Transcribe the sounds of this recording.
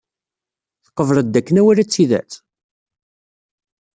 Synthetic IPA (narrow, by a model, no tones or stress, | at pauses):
θə̥qːəvɾˤəd̪ːækːənæwæɾæt͡sːiðæ̰t͡s